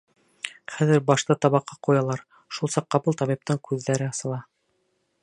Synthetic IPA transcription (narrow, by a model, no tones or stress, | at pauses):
χæðɘɾbɑʃt̪ɤt̪ɑβɑqːɑqujɑlˠɑɾ | ʃulˠsɑqːɑbɤlt̪ɑβip̚t̪ɤɴkʰʉðːæɾɘɑsɤ̆lˠɑ